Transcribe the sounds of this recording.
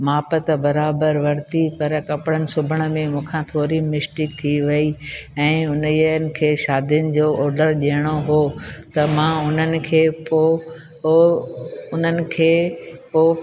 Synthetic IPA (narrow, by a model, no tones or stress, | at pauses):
maːpət̪bɐɾaːbəɾʋɐɾt̪ipɐɾkɐpɽənɪ̆sʊbʱəɽ̃ə̆mẽmũːkʰãt̪ʰoːɾimɪsʈɪk̚t̪ʰiʋɐiɛ̃ːʊnnɪ̆kʰeːʃaːd̪ʱjʊnɪ̆d͡ʑoːɔːɾɖəɾʄiəɽ̃oɦoːt̪ɐmãʊn̤ənɪ̆kʰeːpo | ʊn̤ənɪ̆kʰeːpoː